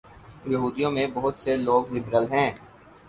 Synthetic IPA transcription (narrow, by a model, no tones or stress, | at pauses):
jɐɦuːd̪ijõmẽbɐɦʊt̪seloːɡlɪbɾəlɦɛ̃ː